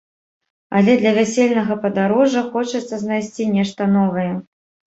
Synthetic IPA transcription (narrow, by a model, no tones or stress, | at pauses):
ɐlʲɛd̪lʲɐvʲasʲelʲnɐɣɐpɐd̪aɾɔʐɐxɔt͡ʂɐt̪sːɐznajsʲt͡sʲinʲɛʂt̪ɐnɔvɐjɛ